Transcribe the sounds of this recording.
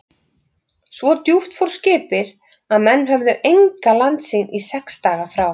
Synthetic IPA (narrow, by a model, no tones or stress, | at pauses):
svɔt̪juft̪fɔwɾ̥scɪːpɪɾ | aðmɛnːɦœvðʏʔejŋkalant̪sinʔisɛkst̪aːɣafɾaw